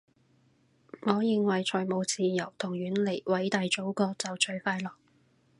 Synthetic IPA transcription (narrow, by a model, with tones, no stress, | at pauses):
ŋɔː˨˧jɪ˨ŋwɐ˨jt͡ʃʰɔː˨˩jmo˨˧wt͡siː˨jɐ˨˩wt̪ʰʊ˨˩ŋɥyː˨˥nle˨˩jwɐ˨˥jt̪aː˨jt͡ʃo˨˥wkɔː˧t͡sɐ˨wt͡ʃɵ˧ɥfaː˧jlɔː˨k̚